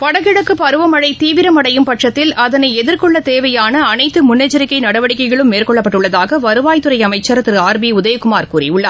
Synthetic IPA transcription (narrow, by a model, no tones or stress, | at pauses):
pɐɽɐɣɪɽɐkːɯpɐɾɯʋɐmɐɽɐɪt̪iːʋɪɾɐmɐɽɐjɯmpɐʈrɐt̪ːɪlɐðɐnɐɪɛðɪɾkɔɭːɐt̪eːʋɐjaːnɐːnɐɪt̪ːɯmʊnːɐt͡ʃːɐɾɪkːɐɪnɐɽɐʋɐɽɪkːɐɪɣɐɭɯmːeːrkɔɭːɐpːɐʈːɯɭːɐðaːɣɐʋɐɾɯʋaːjt̪ːɯɾɐɪɐmɐɪt͡ʃːɐɾɐt̪ːɪɾaːɾbiʊðɐjɐkːɯmaːɾkuːɾḭʊɭːɐ